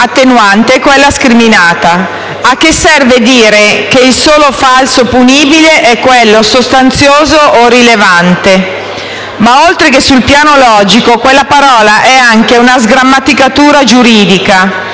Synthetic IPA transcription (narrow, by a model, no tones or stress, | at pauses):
at̪ːenwant̪ekwelːaskɾiminaːt̪a | ak̟ːesːɛrved̪iːɾekeilsoːlofalsopuniːbileʔɛkːwelːosost̪ant̪sjoːzoʔorilevant̪e | maolt̪ɾekesulpjaːnolɔːd͡ʒikokwelːapaɾɔːlaʔɛaŋkeunazɡɾamːat̪ikat̪uːɾad͡ʒuɾiːd̪ika